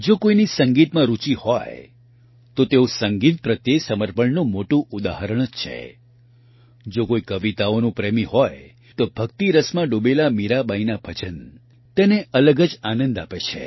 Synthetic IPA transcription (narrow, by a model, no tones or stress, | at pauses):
d͡ʒokoinisəŋɡit̪mãɾut͡ʃihɔ̰j | t̪ot̪eosəŋɡit̪̚pɾət̪jesəməɾpəɳnũmoʈũʔud̪a̰ɦəɾəɳ̃t͡ʃʰḛ | d͡ʒokoikəʋit̪aonũpɾemiɦɔj | t̪obʱək̚t̪iɾəsmãɖobelamiɾabainabʱət͡ʃən | t̪eneələɡəd͡ʒanə̃nd̪apet͡ʃʰḛ